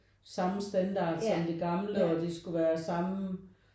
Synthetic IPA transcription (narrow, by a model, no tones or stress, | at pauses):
sɑ̈məsd̥ænd̥ɑ̰̈ːd̥sɒ̽md̥e̝ɡ̥ɑ̈mləɒ̽d̥e̝sɡ̥uʋæːɐsɑ̈mə